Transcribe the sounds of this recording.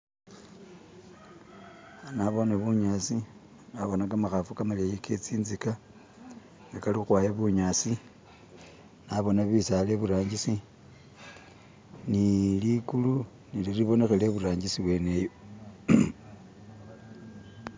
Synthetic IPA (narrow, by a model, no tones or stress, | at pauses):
anaβo̞neβuɲasi | naβo̞nakamaxafukamalejekʰet͡siːnzika | ŋɡakalixwaːjeβuɲasi | naβo̞naβisale̞βuɾaːɲɟisi | nilikulu | niliriβo̞ne̞xeleβuɾaːɲɟisiβwe̞ne̞jo